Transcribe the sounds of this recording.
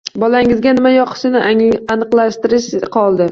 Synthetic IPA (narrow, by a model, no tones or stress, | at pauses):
bɒlaŋɪzɡʲanɪmajɒqʰɨ̥ʃɪnɪanɨqlˠaʃt̪ɪɾɪʃqʰɒlˠd̪ɪ